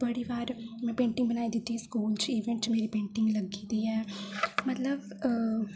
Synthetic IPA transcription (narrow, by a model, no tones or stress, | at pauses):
bəɽiːʋaːɾmɛ̃ːpẽːɳʈɪ̃ŋɡ̚bənaːid̪ɪt̪ːiskuːlt͡ʃiːʋẽɳʈt͡ʃmeːɾipẽːɳʈɪ̃ŋɡləɡid̪iːɛːmət̪ləb